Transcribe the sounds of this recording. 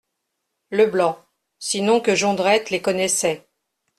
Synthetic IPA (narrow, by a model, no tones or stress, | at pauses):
ləblɑ̃ | sinɔ̃kəʒɔ̃d̪ʁɛt̪lekɔnɛsɛ